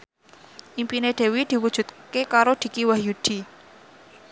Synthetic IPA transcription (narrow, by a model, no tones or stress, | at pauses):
ʔimpineɖ̪̥e̤wid̪̥i̤wud̥ʒ̥ṳt̪̚kekaɾod̪̥i̤kiwahjud̪̥i̤